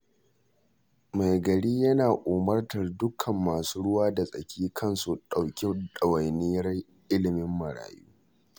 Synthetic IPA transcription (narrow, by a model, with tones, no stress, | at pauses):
ma˨jɡɐ˨ɽiː˦jɐ˦naː˨ʔoː˨mɐ˦rtɐ˨rdʊ˦kʰɐ˨mːaː˨suː˦ɽʊ˦waː˦da˨sʼɐ̰˨kʲʰiː˦kʰɐ˦nsu˨ɗa˨wkʲe˦ɗɐ˨wɐ˨jnɪ˦jɐ˦r | ʔɪ˦lɪ˨mɪ˦mːɐ˨ɽa̰ː˨juː˦